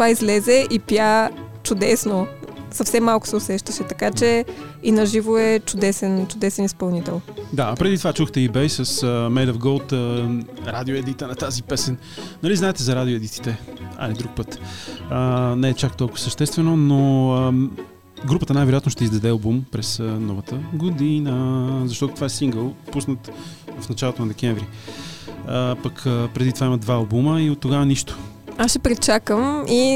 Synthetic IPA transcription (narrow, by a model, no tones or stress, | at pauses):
t̪ovaizlɛzɛʔipjat͡ʃʊd̪ɛsnosɐfsɛmːalˠkʊ̥sɛʊsɛʃt̪əʃɛt̪ɐkat͡ʃɛ | inɐʒivoɛt͡ʃʊd̪ɛsɛnt͡ʃʊd̪ɛsɛnispɐlˠnit̪ɛlˠd̪apɾɛd̪it̪ovat͡ʃuxt̪ɛibɛjsəsəmɛjd̪ofɡolˠt̪əɾad̪ioɛd̪it̪ənɐt̪azipɛsɛn | nɐliznaɛt̪ɛzɐɾad̪ioɛd̪it̪i̥t̪ɛɐ̰lid̪ɾuk̚pət̪ənɛːt͡ʃakt̪ɔlˠkʊvəsəʃt̪ɛst̪vɛnonoə | ɡɾupət̪ənajvɛɾojat̪nʊʃt̪ɛizd̪ɐd̪ɛɐlˠbumpɾɛsənɔvət̪əɡod̪inəzɐʃt̪ɔt̪ot̪ovaɛsiŋɡəlˠpusnət̪ | vɐfnɐt͡ʃalˠot̪onɐd̪ɛk̟ɛɱvɾi | əpəkʰəpɾɛd̪it̪ovaimɐd̪vaɐlˠbuməiot̪ːoɡavəniʃt̪o̥ | assɛpɾɛt͡ʃakəmi